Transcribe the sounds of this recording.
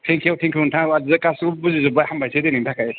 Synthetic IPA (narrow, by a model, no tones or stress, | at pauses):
tʰeŋkʰiawtʰeŋkʰotʰaŋazkasubuzizubajhambajsʰedeniŋtʰakʰaj